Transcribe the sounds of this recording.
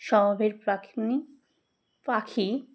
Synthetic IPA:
ʃɔmobʱeɾpakni | pakʰi

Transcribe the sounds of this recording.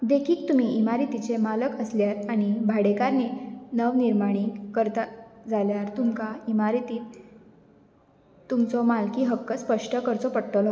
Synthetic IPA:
d̪ekʰiːk̚t̪umiːimaɾit̪it͡semaləkəsljaɾaɽ̃ibʱaɽekaɾniːnəʋniɾmaɽ̃ikəɾt̪ad͡zaljaɾt̪umkaimaɾit̪iːt̪ | t̪ːumt͡sɔmalkiːɦəkːəspəʂʈəkəɾt͡sɔpəɽʈ̪əlɔ

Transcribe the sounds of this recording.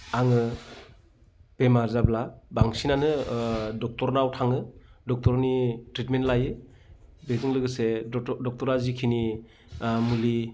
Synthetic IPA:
aŋɯ | b̥emaɾzablabaŋsinanɯdɔk̚tɔɾnawtʰaŋɯdɔk̚tɔɾnitɾitmentlajɯ | beɡɯŋlɯɡɯsedɔk̚tɔɾazikʰini | muli

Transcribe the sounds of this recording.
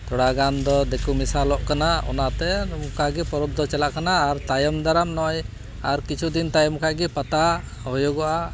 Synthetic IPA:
t̪ɔɽaɡand̪ɔd̪ɛkumisalɔʔkanaɔ̰nat̪ɛmkaɡipɔɾɔb̚d̪ɔt͡ʃɛlaʔkanaːɾt̪ajɔmd̪aɾamnɔj | aɾkit͡ʃʰud̪int̪ajɔmkaʔɡipat̪a | ɦɔjɔɡɔʔa

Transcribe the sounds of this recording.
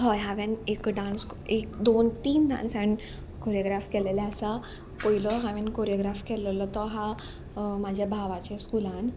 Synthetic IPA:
ɦɔjɦaʋẽnekɖãns | ekd̪ont̪iːnɖã̰nsaɳ | koɾjoɡɾafkelelaəsa | poilɔɦaʋẽnkoɾjɔɡɾafkelelɔt̪ɔɦa | mad͡ʑʱjabʱaʋat͡ɕeskulãn

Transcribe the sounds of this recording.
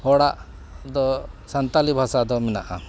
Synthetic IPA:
hɔɽaʔ | d̪ɔsant̪alibʱasad̪ɔminaʔa̰

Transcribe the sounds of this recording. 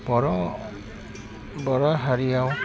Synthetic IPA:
bɔɹɔ | bɔɹɔɦaɹijaw

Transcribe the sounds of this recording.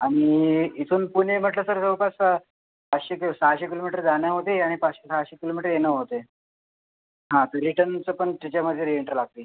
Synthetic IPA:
aɽ̃iit̪ʰuːnpuɳem̤əʈləsəɾsəwpas | pat͡sɕeksaɕekilomiʈəɾd͡zaɳjaɦot̪eaɽ̃ipat͡sɕesaɕekilomiʈəɾjenəɦot̪e | ɦãt̪əɾːiʈənt͡səːpəɳt̪at͡ɕam̤əd̪ʱjeɾieɳʈəɾlaɡ̚t̪iː

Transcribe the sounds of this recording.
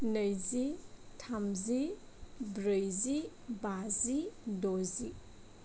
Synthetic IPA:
nəjzi | tʰamzi | bɾəjzi | bazidozi

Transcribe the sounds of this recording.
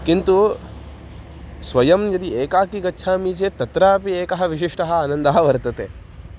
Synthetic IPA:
kint̪u | sʋɐjɐmjɐd̪ieːkaːkiɡɐtːʃʰaːmiːt͡ʃeːt̪ɐt̪ɾaːpieːkɐɦɐ̆ʋiʃ̬iʂʈɐɦɐ̆aːnɐnd̪aːɦɐʋɐɾt̪ɐt̪ḛː

